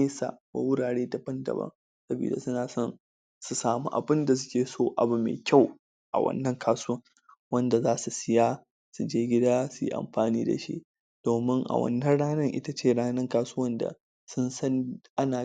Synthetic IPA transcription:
e˦sa̰˨wa̰˨wʊ˦ɽaː˨ɽeː˦da˨bɐ˦ndɐ̰˨bɐ̰˦ŋ | sɐ˦bḭː˨da˨sʊ˦naː˨sɔ˦n | su˨saː˨mu˦ʔa̰˨bɪ˦nda˨s̬ʊ̥˦kʲeː˨soː˦ʔa̰˨bu˨mḛː˨kʲa˦˨w | ʔa̰˨wɐ̰˦nːɐ˦ŋkʰaː˦sʊ˦wɐ˦ŋ | wɐ˦nda˨zaː˦su˨sɪ˦jaː˦ | su˨d͡ʒeː˦ɡʲɪ˦daː˦su˨jḭ˦ʔa̰˨mɸaː˨niː˦da̰˨ʃḭ˦ | d̥oː˨mɪ˦ŋʔa̰˨wɐ̰˦nːɐ˦ɽaː˦nɐ˦˨ŋʔɪ̰˦ta˦t͡ʃeː˦˨ɽaː˦nɐ˦ŋkaː˦sʊ˦wɐ˦nda̰˨ | sʊ˦nsɐ˦nʔa˦naː˨

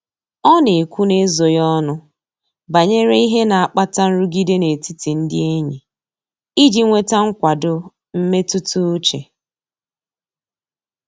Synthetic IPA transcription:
ɔ˦ne˨kʷu˦ne˦zo˨jɔ˦nʊ˦ | ba˨ɲe˦ɾe˦i˦ɦe˦na˨a˨k͡pa˦ta˦n̩˦ɾu˦ɡi˦de˦ne˨ti˦ti˨n̩˦dɪ˦e˦ɲi˨ | i˦d͡ʒi˦ŋʷe˦ta˦ŋ̩˦kʷa˨dʊ˦ | m̩˦me˦tʊ˦tʊ˦t͡ʃḛ˨

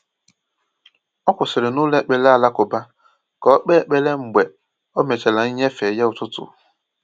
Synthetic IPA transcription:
ɔ˦kʷʊ˨sɪ˨ɾɪ˨nʊː˦le˦k͡pe˨le˦a˨la˦kʊ˨ba˦ | kɔ˦k͡pe˦˨k͡pe˦le˦ŋ͡m̩˨ɡ͡be˨ | o˦me˨t͡ʃe˨la˨i˦ɲe˦fe˨je˦ʊ˨tʊ˦tʊ̰˨

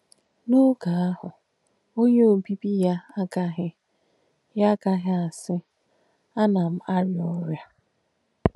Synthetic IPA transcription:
nu˦ɡa˨a˦hʊ˨ | o˦ɲe˦o˨bi˦bi˦ja˦a˦ka˦ɦɪ˦ | ja˦ka˦ɦɪ˦a˨sɪ˦ | a˦na˨m̩˦a˦ɾɪ˨ɔ˦ɾja˦

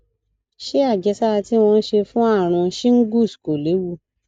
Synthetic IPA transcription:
ʃe˦a˦˨d͡ʒɛ˧sa˦a˧ti˦˧w̃ɔ̃˧n̩˦ʃe˧fũ˦a˦˨ɾ̃ɔ̃˧ʃĩ˦ŋ̩˦ɡu˦˨sko˨le˨˦wu˦˨

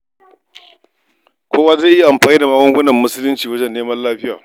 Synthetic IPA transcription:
kʷoː˦waː˦zeː˦ʔi˦˨ʔa˨mɸaː˨niː˦da˨maː˦ɡʷɐ˦ŋɡʷʊ˦nɐ˨mːʊ˦sʊ˦lʊ˦nt͡ʃiː˨wɐ˦d͡ʒɛ˦nːeː˦mɐ˦laː˦ɸɪ˦jaː˨

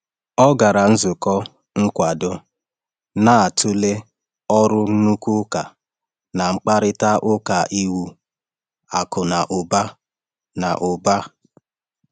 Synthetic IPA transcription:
ɔ˦ɡa˨ɾa˨n̩˦zʊ˨kɔ˦ | ŋ̩˦kʷa˨dʊ˦ | na˦˨a˨tʰʊ˦le˦ | ɔ˦ɾʊ˦n̩˦nu˦ku˦ka˨ | na˨ŋ͡m̩˦k͡pa˦ɾɪ˦ta˦ʔʊ˦ka˨ʔi˦wu˦ | a˨kʊ˨na˨ʔʊ˨ba˦ | na˨ʔʊ˨ba˦

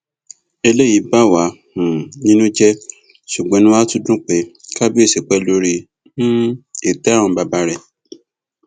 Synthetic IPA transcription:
e˧le˦˨ji˨˦ba˦˨wa˨˦h̩˨nĩ˦nũ˦d͡ʒɛ˦ | ʃu˨ɡ͡bẽ˨˦nũ˦a˦tũ˦dũ˦k͡pe˨˦ka˦bi˦e˦˨ʃe˨k͡pɛ˧lo˧ɾi˧ | ñ̩˦e˨tɛ̃˨˦˨ɔ̃˧ba˧ba˧˦ɾɛ˦˨

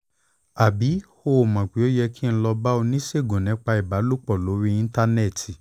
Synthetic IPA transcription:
a˨bi˨˦ | o˧o˨mã˨k͡pi˨˦o˦jɛ˧ki˦ñ̩˦lɔ˧ba˦o˧nĩ˦ʃe˦˨ɡõ˨nɛ̃˨˦k͡pa˧i˨ba˨˦lo˦k͡pɔ˦˨lo˨˦ɾi˦ĩ˧˦ta˧ne˦˨tʰi˨

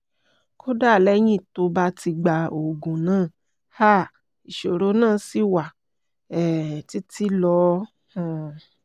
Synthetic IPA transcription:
kʰo˦da˦˨lɛ˦j̃ĩ˦˨to˧˦ba˦ti˧ɡ͡ba˧o˨ɡũ˨nãː˦˨ | ha˦˨ | i˨ʃo˨ɾo˨˦nãː˦˨si˦wa˨ | ɛ˨ti˦ti˦lɔ˧˦ | h

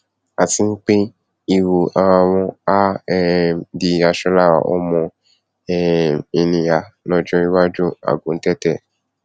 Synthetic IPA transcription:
a˨ti˨˦n̩˦k͡pe˦ | i˦˧wo˨a˨˧ã˧wɔ̃˦a˦ɛ˧di˧a˧ʃɔ˧˦la˦˨wa̰˨ʔɔ̰˦mɔ̃˧ | ɛ˦˨i˨nĩ˨ja˨lɔ˦d͡ʒɔ̃˦i˦wa˦d͡ʒu˦a̰˨ɡõ˨˦tɛ˦tɛ˦˨

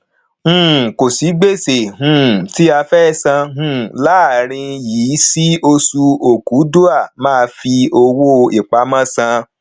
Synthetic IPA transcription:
hũ˦˨ko˨si˨˦ɡ͡be˦˨se˨ɦũ˦˨ti˦a˧fɛ˦˨sã˧ɦũ˦˨la˦˨ɾ̃ĩ˧jiː˨˦si˦o˧su˧o˨ku˨˦du˦a˦˨mãː˦˧fi˧o˧wo˦˧i˨k͡pa˧˦mã˦sã˧

